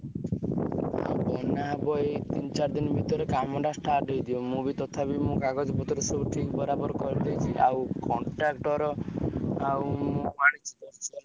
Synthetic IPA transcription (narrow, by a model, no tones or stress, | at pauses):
a̰bɔnabɔet̪int͡ʃaɾd̪inɔbʱit̪ɔɾekamɔɖasʈaɾɖejd̪iomubit̪ɔt̪ʰabimũkaɡɔd͡ʒɔbɔt̪ɔɾesɔbuʈʰikbɔɾabɔɾɔkɔɾid̪ajt͡ʃʰiʔa̰wkɔɳʈɾakʈɔɾɔ | awmũmaɽ̃it͡ʃʰid̪ɔt͡ʃɔ